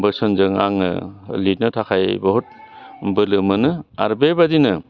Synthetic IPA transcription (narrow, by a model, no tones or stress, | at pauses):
bɯsɔnzɯŋa̰ŋɯ̰lit̚nɯtʰakʰajbɔɦɔt̚ | bɯlɯmɯnɯa̰ɾbebadinɯ